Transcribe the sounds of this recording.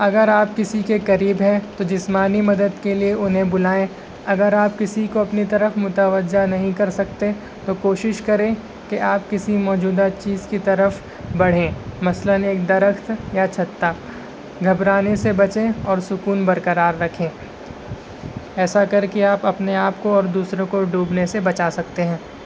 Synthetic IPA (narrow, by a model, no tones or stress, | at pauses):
ɐɡəɾaːp̚kɪsikekɐɾiːbɦɛ̃t̪od͡ʒɪsmaːnimɐd̪əd̪kelieʊnɦẽbʊlaːẽ | ɐɡəɾaːp̚kɪsikoɐpnit̪ɐɾəfmʊt̪əʋəd͡ʒanɐɦĩkɐɾsɐkt̪e | t̪okoːʃɪʃkɐɾẽ | keʔaːp̚kɪsimɔːd͡ʒuːd̪at͡ʃiːzkit̪ɐɾəf | bɐɽ̤ẽːmɐsləneːk̚d̪ɐɾəxt̪jat͡ʃʰɐt̪ːa | ɡʱɐbɾaːnesebɐt͡ʃẽɔːɾsʊkuːnbɐɾkɐɾaːɾːɐkʰẽː | ɛːsakɐɾkeaːpɐpneaːpkoɔːɾd̪uːsɾõkoɖuːbnesebɐt͡ʃaːsɐk̚t̪eɦɛ̃ː